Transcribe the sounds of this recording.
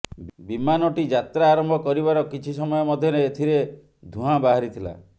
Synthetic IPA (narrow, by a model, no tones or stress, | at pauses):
bimanɔʈid͡ʒat̪ɾaːɾɔmbʱɔkɔɾibaɾɔkit͡ʃʰisɔmɔjɔmɔd̪ʱjɔneːt̪ʰiɾe | d̪ʱũɦãbaɦaɾit̪ʰila̰